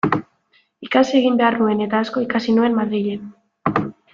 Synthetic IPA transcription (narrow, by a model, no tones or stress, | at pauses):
ikasie̞ɣ̞imbe̞arnue̞ne̞t̪aːsko̞ikasinue̞nmaðɾiʎe̞n